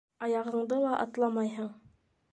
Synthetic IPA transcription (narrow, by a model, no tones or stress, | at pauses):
ɑjɑʁɤ̆ɴd̪ɤlˠɑʔɑ̰t̪lˠɑmɑjɦɤɴ